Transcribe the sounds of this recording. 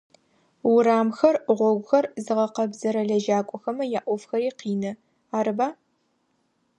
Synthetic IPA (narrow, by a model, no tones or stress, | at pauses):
wʊɾaːmxɐrʁʷɔɡʷʊxɐrzɨʁɐqɐbzɐɾɐɮɐʒaːkʷʼɔxɐmɐjaːʔʷɔfxɐɾiːqiːnɐ | aːɾɨbaː